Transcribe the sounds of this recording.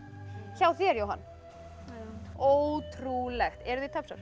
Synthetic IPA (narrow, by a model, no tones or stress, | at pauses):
çaːwθiɛɾjowɦa̰nː | oːwt̪ʰɾulɛxt̪ɛɾðɪt̪ʰœpsa̰ɾ̥